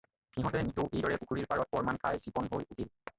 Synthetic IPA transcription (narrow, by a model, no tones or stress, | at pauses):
hiɦɔ̃tɛnituʔejdɔɹɛpukʰuɹiɹpaɹɔt̚pɔɹmankʰa̰jsipɔnɦojutʰil